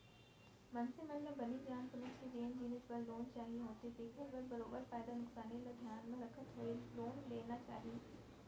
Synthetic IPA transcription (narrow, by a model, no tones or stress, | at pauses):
mɐ̃nsemɐ̃nlə̃bɐnid͡ʒʱjaːnpʊnɪsed͡ʒeːnd͡ʑiːnɪsbɐlːoːnt͡ʃaːɦiɦõːt̪ed̪eːkʰɪ̃lbɐɾbɐɾoːbəɾfaːɪd̪anʊksaːnilɐd̪ʱjaːnmẽɾɐkʰət̪ɦoːeloːnleːnat͡ʃa̰ːɦiː